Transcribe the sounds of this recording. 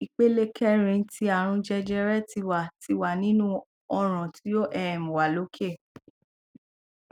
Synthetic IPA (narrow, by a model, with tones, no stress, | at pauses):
i˨k͡pe˦le˦kʰɛ˦ɾ̃ĩ˧˦ti˦a˨ɾ̃ũ˧d͡ʒɛ˧d͡ʒɛ˧ɾɛ˦ti˧wa˨ti˧˦wa˨nĩ˦nũ˦ | ɔ˧ɾ̃ã˨ti˨˦jo˦ʔɛ˦˨mũ˨wa˨lo˦kʰe˦˨